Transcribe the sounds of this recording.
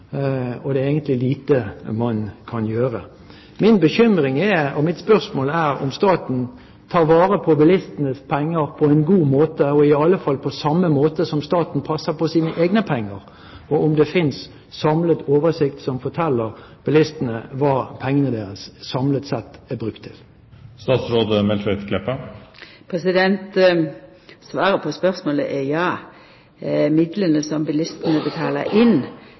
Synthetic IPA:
ɔd̪ɛeːɡənt̪lɪliːt̪əmɑnkʰɑnjøːʁə | mɪnbəçʏmɾɪŋɛɔmɪt̪spœʁsmoːlæɾɔ̰mst̪ɑːt̪n̩ | t̪ʰɑːɾʋɑːʁəpʰɔbɛlɪst̪ənəspʰɛŋːəɾpʰɔɛɪnɡuːmoːt̪əɔɪɑlːəfɑlːpʰɔsɑmːəmoːt̪əsɔmst̪ɑːt̪n̩pʰɑsːəpɔsiːnəʔeːɡnəpʰɛŋːəɾ | ɔʔʊmd̪ɛfɪns | sɑmlət̪oːʋəsɪkt̪sɔmfɔt̪ʰɛlːəʁb̥ɪlɪst̪ənəʋɑːpʰɛŋːənəd̪eːɾəsːɑmlət̪sɛt̪ːæbʁʉkt̪ʰːɪl | st̪ɑːt̪sɾoːd̪əmɛlt̪ʰʋɛt̪kʰlɛpːə | pʰɾɛsɪd̪ɛnt̪ | sʋɑːɾəpʰɔspœɾsmoːlə̰ʔɛjɑː | mɪd̪lənəsɔmbɪlɪst̪ənəbət̪ʰɑːlə̰ʔɪn

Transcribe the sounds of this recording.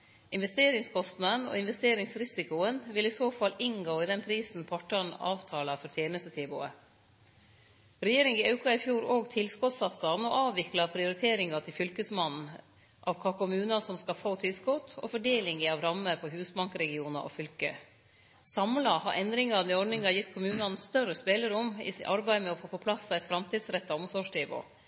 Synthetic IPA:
ʔɪnʋɛst̪eːɾɪŋskʰɔst̪nɑnɔ̰ːɪnʋɛst̪eːɾɪŋsɾɪsɪkʊənʋɪlɪsoːfɑlːɪnɡoːɪd̪ɛnpʰɾiːsn̩pʰɔʈɑnɑ̰ːʋt̪ʰɑːlɑfɔɾt̪ʰjeːnəst̪ət̪ʰɛːbʊ̰ːə̰ | ɾɛjeːɾɪŋɪɑʉkɑɪfjuːɾoːɡt̪ʰɪlskɔt̪sɑt̪sɑnɔʔɑːʋʋɪklɑpʰɾɪʊɾɪt̪ʰeːɾɪŋɑt̪ʰɪlfʏlkəsmɑn̩ | ʔɑ̰ʋkʰɑkʰʊmʉːnɑsɔmskɑfoːt̪ʰɪlskɔt̪ʰɔ̰fɔɖeːlɪŋɪɑʋɾɑmːəpʰɔɦʉːsbɑŋkɾɛɡɪuːnɑ̰ʔɔ̰fʏlkə̰ | sɑmlɑhɑɾʔɛnd̪ɾɪŋɑd̪ɪɔɾɖɳɪŋɑjɪt̪ːkʰʊmʉːnɑnst̪œrəspeləɾʊmɪ̰sʔɑɾbæɪmɛɔfoːpɔpʰlɑsːɑʋɛɪt̪fɾɑmt̪ʰiːd̪sɾɛt̪ːɑɔmsɔʂt̪ʰeːbo̰ː

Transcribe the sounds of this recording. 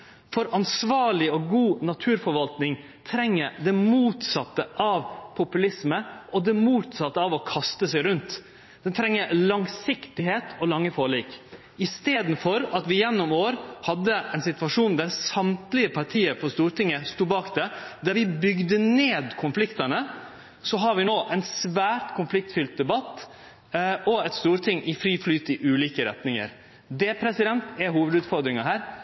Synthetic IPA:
fɔɾɑnsʋɑːɭɪɔɡuːnɑt̪ʰʉːɾfɔɾʋɑlt̪nɪŋ | t̪ʰɾɛŋːəɾd̪ɛmuːt̪sɑt̪ːəʔɑʋpʰʊpʉlɪsməɔd̪ɛmuːt̪sɑt̪ːəɑʋɔkʰɑst̪əsɛɪɾʉnt̪ | d̪ɛnt̪ʰɾɛŋːəɾlɑŋsɪkt̪ɪheːt̪ʰɔlɑŋːəfoːɭɪːk | ɪst̪eːd̪n̩fɔɾɑt̪ʋɪjɛnːʊmoːɾhɑd̪ːəɛnsɪt̪ʋɑʂuːnd̪æɾsɑmt̪lɪəpʰɑɾʈʰiːəɾfɔɾst̪uːɾʈɪŋːəst̪uːbɑːkd̪ɛd̪æɾʋɪbʏɡd̪əneːd̪kʰʊnflɪkt̪ɑnə | sɔɦɑɾʋɪnoːʔɛɪnsʋæːɾʈ̪kʰʊnflɪk̚t̪fʏlt̪̚d̪ɛbɑt̪ː | ɔɛt̪st̪uːɾt̪ʰɪŋːʔɪfɾiːflyːt̪ɪʔʉːliːkəɾɛ̰t̪nɪŋə̰ɾ | d̪ɛpʰɾɛsɪd̪ɛnt̪ɛɦuːʋəd̪ʉːt̪fɔɾd̪ɾɪŋɑɦæːɾ

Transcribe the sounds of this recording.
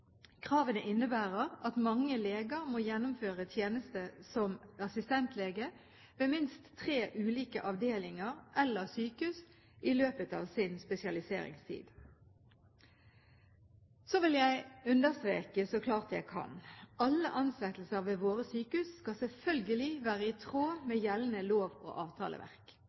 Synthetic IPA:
kʰʁɑːʋənəʔɪnːəbæːʁəʁɑt̪mɑŋːəleːɡəʁmoːjɛnːʊmføːʁət̪ʰjeːnəst̪əsɔmɑsɪst̪ɛnt̪ʰleːɡə | ʋeːmɪnst̪ʰːʁeːʔʉːliːkəʔɑʋd̪eːlɪŋəʁʔɛlːəʁsyːkʉs | ʔɪløːpət̪ɑ̰ːʋsɪnspɛsɪɑlɪsḛːʁɪ̰ŋst̪ʰḭːd̪̥ | soːʋɪljæɪʉnd̪əʁst̪ʁeːkəsɔkʰlɑːʁt̪jæɪkʰɑ̰nɑlːə̰ʔɑnslɛt̪l̩səʋeːʋoːʁəsyːkʉsːkɑsɛlfœlɡəlɪʋæːʁəɪt̪ʰʁoːmeːjɛlnəloːʋo̰ːʔɑːʋt̪ʰɑ̰ːlʔə̰ʋʔæ̰ʁk

